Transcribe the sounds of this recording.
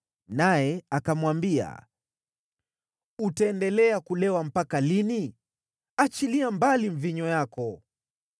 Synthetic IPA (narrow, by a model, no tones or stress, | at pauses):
najɛakamwambia̰ | utaɛndɛlɛakulɛwam̩pakalini | at͡ʃiliambaliɱviɲɔjakɔ